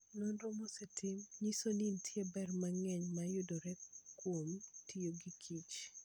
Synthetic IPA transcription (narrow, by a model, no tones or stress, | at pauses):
nɔnɾomosɛtʰɪmɲisonintʰjebɛrmaŋɛɲmajʊdoɾɛkwomtʰijoɡikʰit͡ʃ